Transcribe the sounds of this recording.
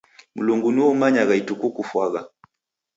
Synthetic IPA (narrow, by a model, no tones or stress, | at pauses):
muluŋɡunuɔmaɲaɣaitukukufwaɣa